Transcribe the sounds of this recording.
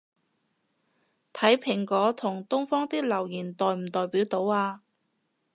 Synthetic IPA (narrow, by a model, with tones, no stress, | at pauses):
t̪ʰɐ˨˥jpʰɪ˨˩ŋkɔː˨˥t̪ʰʊ˨˩ŋt̪ʊ˥ŋfɔː˥ŋt̪i˥lɐ˨˩wjiː˨˩nt̪ɔː˨jm̩˨˩t̪ɔː˨jpiː˨˥wt̪o˨˥waː˧